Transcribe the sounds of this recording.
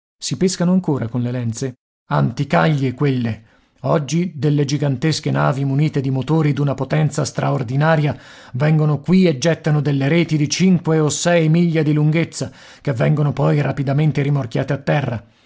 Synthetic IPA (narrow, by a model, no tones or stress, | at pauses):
sipeskanoaŋkoːɾakonlelɛnt̪se | ant̪ikaʎːekwelːe | ɔd͡ʒːid̪elːed͡ʒiɡant̪eskenaːvimuniːt̪ed̪imot̪oːɾid̪unapot̪ɛnt̪sast̪ɾʔaord̪inaːɾja | vɛŋɡonokwied͡ʒːɛt̪ːanod̪elːeɾeːt̪id̪it͡ʃiŋkweosɛjmiʎːad̪iluŋɡet̪sːa | k̟evːɛŋɡonopɔjrapid̪ament̪eɾimork̟ja̰ːt̪eat̪ːɛrːa